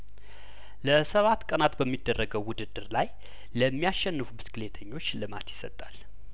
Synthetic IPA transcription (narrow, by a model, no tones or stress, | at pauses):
ləsəβat̪ːkʼənat̪bəmːid̪ːərːəɡəwːʊd̪ɨd̪ːɨɾlaj | ləmːijaʃːɛnːɨfubɨskɨlet̪ʰəɲːo̞t͡ʃːlɨma̰t̪jɪ̥sət̪ʼal